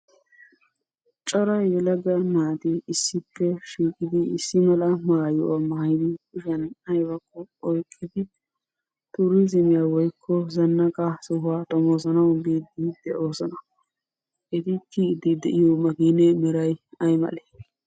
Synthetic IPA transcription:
t͡ʃʼɔɾɐjɛlɐɡɐmaːt̪ɪɪsːɪpːɛʃiːkʼɪd̪ɪɪsːɪmɐlɐmaːjɔʔɐmɐhɪd̪ɪkʊʃɐnɐjbɐkːɔɔjkʼːɪd̪ɪ | t̪ʊɾɪzɪmɪjaːwɔjkʰːɔzɐnːɐkʼasʊhʊaːt̪ʼɔmoːsɐnɐwbiːd̪ɪd̪̥ɛʔoːsɔnɐ | ʔɛt̪ɪkid̪ɪd̪ɛʔɪjoːmɐɡiːnɛmɛɾɐjɐjmɐ̰le̥

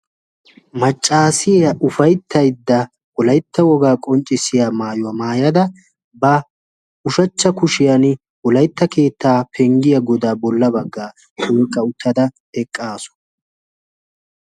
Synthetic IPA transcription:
mɐt͡ʃʼːaːsɪjɐʔʊfɐjt̪ʰːɐjd̪ːɐ | wɔlɐjt̪ːɐwɔɡaːkʼɔnt͡ʃʼːɪsɪjaːmaːjʊwɐmaːjɐd̪ɐ | bɐ | ʊʃɐt͡ʃːɐkʊʃɪjɐn | wɔlɐjt̪ːɐke̞ːt̪ːaːpʰɛŋɡɪjɐɡɔd̪aːbɔlːɐbɐɡːaː | tʰɔːkʼːɐʊt̪ʰːɐd̪ɐ | ɛkʼːaːsɔ̥

